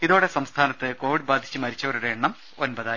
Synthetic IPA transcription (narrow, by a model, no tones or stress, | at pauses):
iðoːɽe̞sɐmst̪ʰaːnɐt̪ːɨko̞ːʋiɽbaːd̪ʱi̥t͡ɕːɨmɐɾit͡ɕːɐʋɐɾuɽeeɳːɐm | onbɐðaː